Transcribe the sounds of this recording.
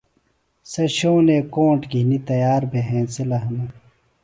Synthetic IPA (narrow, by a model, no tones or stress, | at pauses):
seɕoːneːkõːɳʈɡʱinit̪ɐjaːɾbʱeɦẽːselɐɦɐnɐ